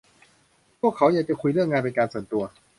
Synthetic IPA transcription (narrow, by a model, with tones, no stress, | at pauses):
pʰu˥˩əkʰːa˦wjaː˨˩kt͡ɕa˧˩kʰu˧jɾɯ˥˩ŋːaː˧npe˧nkaː˧nsu˨˩ənt̪u˧ɐ